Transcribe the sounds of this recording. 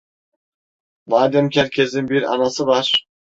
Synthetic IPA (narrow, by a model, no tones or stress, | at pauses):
vaːd̪ɛmcʲʰæɾkʰʲezinbiɾɑ̰nasɯvaɾ̥